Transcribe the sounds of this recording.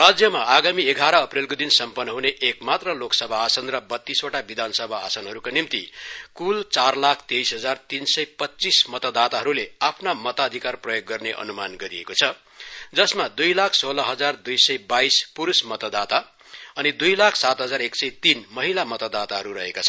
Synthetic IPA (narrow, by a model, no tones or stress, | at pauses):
rad͡zjʌmaaɡamieɡʱaɾʌːprelkod̪insʌmpʌnːʌɦuneʔekmat̪rʌloksʌbʱaːsʌnrʌbʌt̪ːisoʈabid̪ʱansʌbʱaːsʌnɦʌɾukanimt̪ikult͡sarlakʰt̪ejsɦʌd͡zart̪insʌjpʌtːt͡sismʌt̪ʌd̪at̪aɦʌɾuleapʰnamʌt̪aːd̪ʱikarprʌjoɡːʌrneʔʌ̰numanɡʌɾiḛkot͡sʰʌ | d͡zʌsmad̪ujlakʰsolʌɦʌd͡zard̪ujsʌjbajspuɾusmʌt̪ʌd̪at̪a | ʌnid̪ujlakʰsat̪ɦʌd͡zaɾeksʌjt̪inmʌɦilamʌt̪ʌd̪at̪aɦʌɾuɾʌɦekat͡sʰʌn